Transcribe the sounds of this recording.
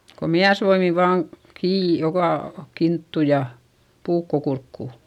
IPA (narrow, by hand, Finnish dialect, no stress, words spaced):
ko miæsʋoimi ʋɑːŋ kiː jokɑˑ kintːu jɑ puːkːo kurkːuˑ